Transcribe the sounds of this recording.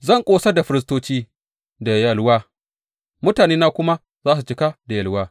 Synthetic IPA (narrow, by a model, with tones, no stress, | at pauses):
zɐ˦˨ŋkʷʼoː˦sa˦da˨ɸɪ˦ɾɪ˦s̬toː˦t͡ʃiː˦ | da˨jɐ˨lwaː˦ | mʊ˦taː˨neː˦naː˦kʷʊ˦ma˦ | zaː˦s̬u˨t͡ʃɪ˦ka˦da˨jɐ˨lwaː˦